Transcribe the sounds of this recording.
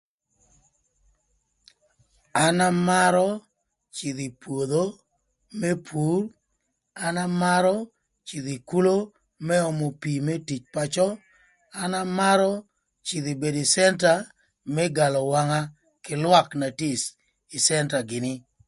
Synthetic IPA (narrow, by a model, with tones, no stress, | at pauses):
a˨na˦ma˦ɾɔ˦ | t͡ʃi˨ði˨pwo˨d̪o˦ | me˦pʰu˨˦r | a˦na˦ma˦ɾɔ˦ | t͡ʃi˨ði˨ku˦lo˦ | mɛ˦ɔ˨mɔ˨pi˨me˦ti˨t͡ʃpa˦t͡ʃɔ˦ | a˦na˦ma˦ɾɔ˦ | t͡ʃi˨ði˨be˨di˨sɛ˦nta˨ | mɛ˦ɡa˨lɔ˨wa˦ŋa˦ | kɪ˨lwa˦kna˨ti˦s | i˨sɛ˦nta˨ɡɪ˨nɪ˦